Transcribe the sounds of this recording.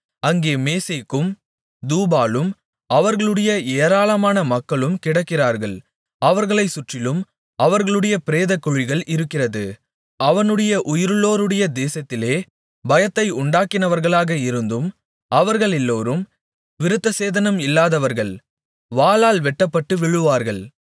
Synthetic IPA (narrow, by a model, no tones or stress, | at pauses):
ɐŋɡeːmeːsɐkːɯm | d̪uːbaːlɯm | ɐʋɐɾɣɐɭɯɽɐjɐeːɾaːlɐmaːnɐmɐkːɐɭɯmkɪɽɐkːɪraːɾɣɐɭ | ɐʋɐɾɣɐɭɐɪsʊʈrɪlɯm | ɐʋɐɾɣɐɭɯɽɐjɐpɪɾeːðɐkːɔɻɪɣɐɭʔɪɾɯkːɪrɐðɯ | ɐʋɐnɯɽɐjɐʔʊjɪɾɯloːɾɯɽɐjɐd̪eːsɐt̪ːɪleː | bɐjɐt̪ːɐɪʊɳɖaːkːɪnɐʋɐɾɣɐɭaːɣɐɪɾɯnd̪ɯm | ɐʋɐɾɣɐɭɛlːoːɾɯm | ʋɪɾɯt̪ːɐseːðɐnɐmɪlːaːðɐʋɐɾɣɐɭ | ʋaːlaːlʋɛʈːɐpːɐʈːɯʋɪɻɯʋaːɾɣɐɭ